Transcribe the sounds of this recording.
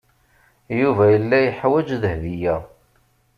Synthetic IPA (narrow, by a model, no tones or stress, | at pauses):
juvæjəlːæjəħwæd͡ʒðəhðijæ